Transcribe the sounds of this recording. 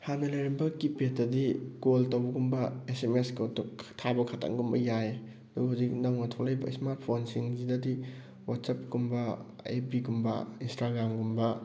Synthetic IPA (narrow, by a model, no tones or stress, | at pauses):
hanɐlɐjɾimbɐkipetɐdiɡoltɐwbɐɡumbɐesemeskotuktʰabɐkʰatʰa̰ŋɡumbɐjae | ɐduɡɐɦawzik̚nɐwnɐtʰowlɐjbɐ̰ḭsmaɾt̚pʰonsiŋzidɐdi | watsap̚ɡumbɐ | ḛpiɡumbɐ̰instaɡɾamɡumbɐ